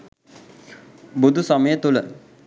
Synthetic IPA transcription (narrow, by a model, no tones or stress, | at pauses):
bud̪ʱusəməjət̪ulə̰